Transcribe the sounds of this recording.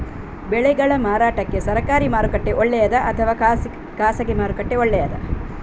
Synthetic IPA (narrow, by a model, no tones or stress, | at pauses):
bɛɭɛɡɐɭɐmaːɾaːʈɐkːe̞sɐɾɐkaːɾimaːɾukɐʈːe̞ʔoɭːɛjɐd̪ɐʔɐt̪ʰɐʋaː | kaːsɐɡemaːɾukɐʈːe̞oɭːɛjɐd̪ɐ̰